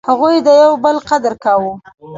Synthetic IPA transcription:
haɣujd̪əjawbəlqad̪əɾkawu

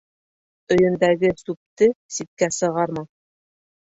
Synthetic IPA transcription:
ɵ̆jɘ̆nd̪æɡɘsup̚t̪ɘsit̪̚kæsɤ̆ʁɑɾmɑ

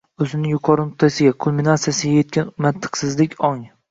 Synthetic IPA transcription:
ɵzɪnɪŋjʊqʰɒɾɪmʊt̪ʰːasɪɡʲakʰolminat̪sijasɪɡʲaje̞t̪̚kʲʰanmat̪ʰːɨ̥qsɪzlɪkʲɒŋ

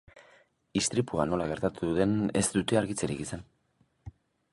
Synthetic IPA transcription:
ist̪ɾipuano̞laɣe̞ɾt̪at̪uðe̞ne̞zd̪ut̪e̞aɾɣit͡seɾiɣisen

